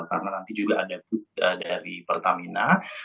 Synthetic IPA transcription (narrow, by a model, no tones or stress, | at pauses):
ka̰ɾənanant̪id͡ʒuɡaʔːdapʊt̪̚ədaɾipərt̪amina